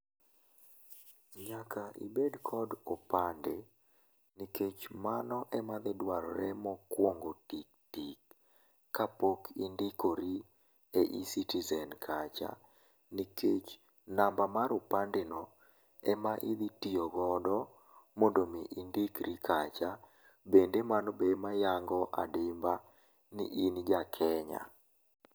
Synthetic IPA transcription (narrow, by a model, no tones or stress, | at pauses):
ɲakaʔḭbedkʰɔdopande | niket͡ʃmanɔʔɛmad̪ɪdwaɾɔɾɛmɔkwoŋɡotik̚tikː | apokʰindikoɾi | eʔisitizɛnkʰat͡ʃa̰ | niket͡ʃ | nambamaɾʊpandɪnɔ | ɛmaʔid̪itijɔɡɔdɔ | mondomiʔindikɾikʰat͡ʃa | bendemanɔbemajaŋɡɔʔa̰dɪmba | nḭʔind͡ʒakʰɛɲa̰